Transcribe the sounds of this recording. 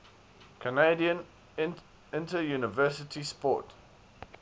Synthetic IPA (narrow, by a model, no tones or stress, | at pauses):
kʰanediə̃n | ɪ̃ | ɪ̃ntəjunɪvɜsɪtʰispɔ̰t